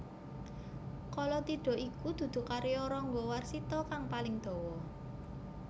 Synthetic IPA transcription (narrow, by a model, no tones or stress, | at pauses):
kɔlɔt̪iɖ̥ɔ̤ʔikud̪̥ṳd̪̥ṳkaɾiɔɾɔŋɡɔwarsit̪ɔkaŋpalɪŋd̪̥ɔ̤wɔ